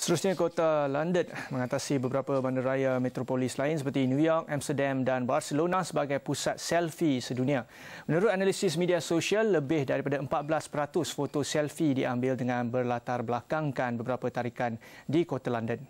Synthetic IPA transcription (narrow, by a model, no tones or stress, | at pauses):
st̪əɾusɲãkot̪alandənmə̃ŋat̪asibəbəɾapəbandəɾajamẽt̪ɾopolɪslaɪnsəpərt̪injũjɔrk̚amst̪ədamdanbarsəlonãsəbaɡajpusat̪̚sɛlfisədunĩa | mə̃nuɾʊt̪̚analisɪsmidiasoʃiəlːəbɪhdaɾipadaəmpat̪̚bəlaspəɾat̪ʊsfot̪osɛlfidiʔambɪldəŋãnbərlat̪arbəlakaŋkanbəbəɾapət̪aɾikandikot̪alandən